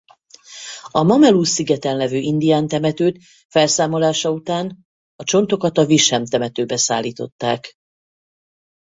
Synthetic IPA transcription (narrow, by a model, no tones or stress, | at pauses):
ɒmɒmɛluːsːiɡɛt̪ɛnlɛvøːʔind̪ijaːnt̪ɛmɛt̪øːt̪ | fɛlsaːmo̞laːʃɒut̪aːn | ɒt͡ʃo̞nt̪o̞kɒt̪ɒviʃɛmt̪ɛmɛt̪øːbɛsa̰ːlːiːt̪o̞t̪ːaːk